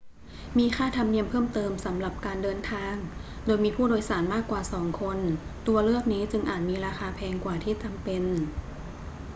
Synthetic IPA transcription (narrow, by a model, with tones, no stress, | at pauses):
miː˧xaː˥˩t̪ʰa˧mni˧əmpʰɤː˥˩mt̪ɤː˧msa˩˦mɾa˨˩p̚kaː˧ndɤː˧nt̪ʰaː˧ŋ | doː˧jmiː˧pʰuː˥˩doː˧jsaː˩˦nmaː˥˩kːwaː˨˩sɔː˩˦ŋkʰo˧nt̪u˧ɐlɯ˥˩ək̚niː˦˥t͡ɕɯ˧ŋʔaː˨˩t̪̚miː˧ɾaː˧xaː˧pʰɛː˧ŋkwaː˨˩t̪ʰiː˥˩t͡ɕa˧mpe˧n